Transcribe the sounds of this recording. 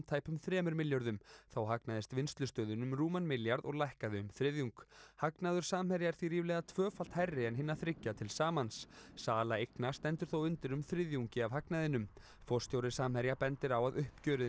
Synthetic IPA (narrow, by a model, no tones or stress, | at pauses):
mt̪ʰaːjpʏmθɾɛːmʏɾmɪljœɾðʏmθawɦaknaðɪst̪vɪnst̪lʏst̪œːðʏnʏmruːmanmɪljaɾðɔɣlajhkaðɪʏmθɾɪðjuŋkhaknaðʏ̥saːmhɛɾjaɛɾ̥θviriːvlɛːɣat̪ʰvœːfal̥t̪harːɪɛnɦɪnːaθɾɪcːat̪ʰɪlsaːmanssaːlaejknast̪ɛnt̪ʏɾ̥θowʏnt̪ɪɾʏmθɾɪðjuŋcɪavɦaknaðɪnːʏm | fɔ̥st̪jowɾɪsaːmhɛɾjapɛnt̪ɪɾawaðʏhpcœːɾɪ